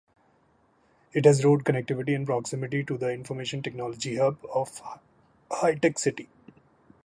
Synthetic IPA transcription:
ɪʈhæzɾoːɖ̚kənɛk̚ʈɪʋɪʈiɛ̃npɾɔksɪmɪʈiʈud̪əɪ̃nfɔɾmeːʃə̃nʈeknɔːlɔd͡ʒiɦəbɔːf | haɪʈeksɪʈi

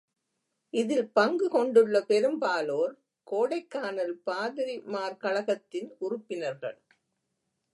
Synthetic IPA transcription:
ʔɪðɪlpɐŋɡɯkɔɳɖɯɭːɐpɛɾɯmbaːloːɾ | koːɽɐɪkːaːnɐlpaːðɪɾɪmaːɾkɐɭɐɣɐt̪ːɪnʊrʊpːɪnɐɾɣɐ̰ɭ

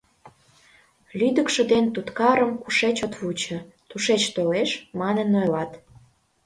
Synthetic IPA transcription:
lyd̪əkʃə̆d̪ent̪ut̪kɑɾəmkuʃet͡ɕot̪βut͡ɕə̆t̪uʃet͡ɕt̪oleʃmɑnənːojlɑt̪

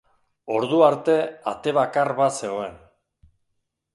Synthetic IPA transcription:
o̞ɾðuaɾt̪e̞a̰t̪e̞βakarβase̞ɣoe̞n

